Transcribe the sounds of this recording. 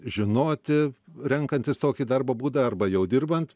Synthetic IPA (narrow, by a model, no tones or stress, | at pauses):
ʒʲɪnoːt̪ʲɪɾʲɛŋkɐnʲt̪ʲɪst̪oːkʲiːd̪ɐrbɐːbuːd̪ɐɐrbɐjɛʊdʲɪrbɐnt̪